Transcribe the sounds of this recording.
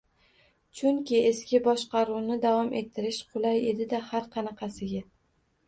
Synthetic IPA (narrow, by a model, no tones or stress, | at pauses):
t͡ʃʰʊŋkʲɪeskʲɪbɒʃqɑɾuwnɪd̪avɒmʔe̞t̪ʰːɪɾɪʃqʰʊlˠaje̞d̪ɪd̪ahaɾqʰɑnɑqʰɑsɪɡʲa